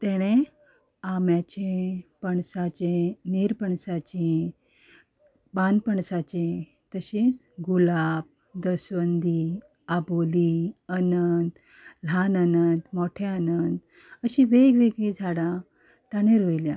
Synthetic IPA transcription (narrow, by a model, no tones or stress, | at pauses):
t̪ɛɽ̃e | amjat͡ɕepəɳsat͡ɕẽniɾpəɳsat͡ɕe | banpəɳsat͡ɕẽ | t̪əɕiːt͡s | ɡulab̚ | d̪əsʋənd̪i | aboliənənd̪ | l̤ʱanənənd̪mɔʈʰeanənd̪ | əɕiʋeɡʋeɡɭid͡zʱaɽã | t̪aɽ̃eɾojljã